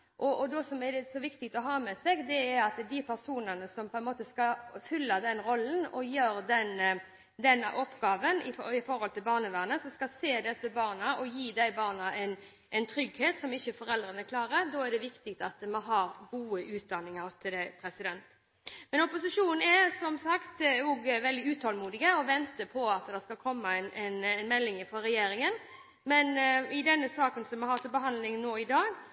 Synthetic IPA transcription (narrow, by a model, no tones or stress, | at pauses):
ʔɔɔd̪ɔsɔmɛd̪ɛsɔʋɪkt̪ɪkt̪ɔɦɑːmɛsɛɡd̪ɛæɾɑt̪d̪ɪpʰæɾsuːnənəsɔmpʰɔɛnmoːt̪əskɑfʏlːɑd̪ɛnɾɔlːənɔjøːɾd̪ɛn | d̪ɛnʔɔpːɡɑːʋənɪ̰ɪfɔɾhɔlt̪ʰɪlbɑːʁnəʋæːʁnəsɔmskɑlseːd̪ɛsəbɑːʁnɑʔɔjiːd̪æɪbɑːʁnɑʔɛn | ʔɛnt̪ʰɾʏɡheːt̪sɔmɪçːəfɔɾɛld̪ɾənəkʰlɑːɾəd̪ɔːɛɾd̪ɛʋɪkt̪ɪkt̪ɑt̪mɑnɦɑɾɡuːəʔʉːt̪̚d̪ɑnːɪŋɑɾt̪ʰɪld̪æɪpʰɾɛsɪd̪ɛnt̪ | mɛnɔpʊsɪʂuːnn̩ɛɾsɔmsɑkt̪nuːɡʋɛld̪ɪʉːt̪ʰɑlmuːd̪ɪɡəɔʋɛnt̪əpʰɔɑt̪d̪ɛʁskɑlkʰɔmːəɛɪnɛnɛnmɛlːɪŋɪfʁɔɾɛjeːɾɪŋən | mɛnɪd̪ɛnːəsɑːkənsɔmːɛhɑːt̪ʰɪlbəɦɑnd̪lɪŋnːoːɪd̪ɑːɡ